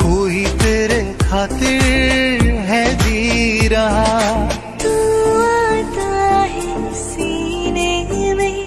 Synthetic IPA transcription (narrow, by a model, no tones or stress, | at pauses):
koːit̪eɾekʰaːt̪ɪɾ | ɦɛd̪iɾaɦa | t̪uat̪aɦe | sinemẽ